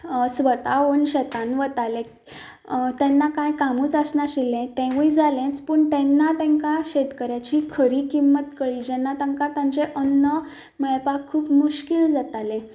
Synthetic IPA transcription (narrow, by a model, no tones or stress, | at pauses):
sʋət̪aonɕɛt̪anʋət̪alẽ | t̪ɛ̃nːakãjkamũːt͡səsnaɕilɛ̃t̪ɛ̃ʋujd͡zʱalẽt͡spəɳt̪ɛnːat̪ɛ̃ŋkaɕet̪kəɾjat͡ɕiːkʰəɾiːkimːət̪kəɭid͡ʑɛnːat̪ãŋkat̪ãɲt͡seʔənːə | mɛɭpakkʰːuːpmuɕkild͡zat̪alɛ̃